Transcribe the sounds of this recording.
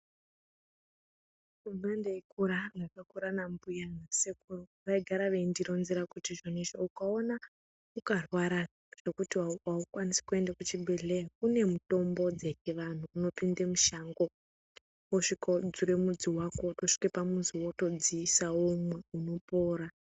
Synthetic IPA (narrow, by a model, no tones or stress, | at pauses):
unandeikuɾaŋɡakakuɾanambujanasekuro | ʋaiɡʱaɾaʋeindiɾo̞nziɾakutiʐoniʐoukao̞na | ukarwaɾa | ʐ̥e̞kutiwaukwanise̥kue̞ndakut͡ʃibʱe̞ɮe̞jakune̞muto̞mbo̞d͡zekeʋan̤uːno̞pindemuʃaŋɡo̞ | oʂikod͡zuɾemud͡ziwako̞to̞ʂi̥kepamunziwo̞to̞d͡ziːsawomwe̞uno̞po̞ːɾa